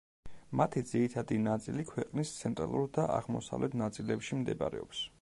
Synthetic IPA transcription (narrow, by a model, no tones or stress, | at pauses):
mat̪ʰid̪ziɾit̪ʰad̪inat̪sʼilikʰwɛqʼnist̪sʰɛnt̪ʼɾalˠuɾd̪aa̰ʁmɔsavlɛt̪ʰnat̪sʼilɛpʃimd̪ɛba̰ɾɛ̰ɔps